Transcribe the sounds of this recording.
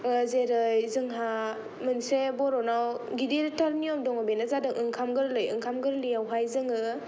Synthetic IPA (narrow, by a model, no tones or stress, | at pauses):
zeɾɯjzɯŋɦa | mɯnsebɔɾɔnaw | ɡidiɾtʰɔɾnijɔmdɔŋɯbenazadɯŋʔɯŋkʰamɡɯɾlɯjɯ̰ŋkʰamɡɯɾlijawɦajzɯŋɯ